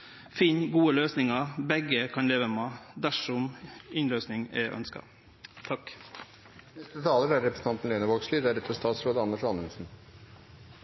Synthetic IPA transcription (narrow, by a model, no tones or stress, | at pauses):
fiːnɡuːəløːsnɪŋɑbɛɡəkʰɑnleːʋəmed̪æʂɔmɪnløːsnɪŋɛ̰ʔœ̰nskɑ̰ | t̪ʰɑk | nɛst̪ɾət̪ʰɑːləɾæɾɾɛpɾəsn̩t̪ɑnt̪n̩leːnəʋokslɪd̪æɾɛt̪ʰːəst̪ɑːt̪sɾoːd̪əɑnːəʂɑnənsn̩